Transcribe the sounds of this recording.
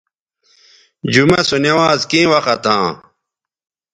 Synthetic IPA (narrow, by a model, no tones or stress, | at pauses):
d͡ʑumɐsunewaːzkĩːwɐxɐt̪ʰã̰ː